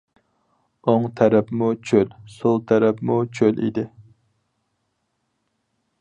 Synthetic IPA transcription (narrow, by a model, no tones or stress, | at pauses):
oŋt̪ʰæɾɛpmut͡ʃʰølsolˠt̪ʰæɾɛpmut͡ʃʰølḭd̪ɪ